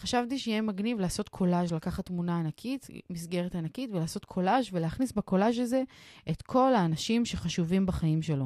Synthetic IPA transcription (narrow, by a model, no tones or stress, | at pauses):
χaʃavtiʃejemaɡnivlaːso̞tkʰo̞laʃlakaχatːmunaːnakʰitmisɡe̞ʁetanakitvelaːso̞tkʰo̞laʃveleaχnisbeko̞laʃ̬alze̞ʔetkʰo̞laːnaʃimʃeχaʃuvimbaχaimʃe̞lo̞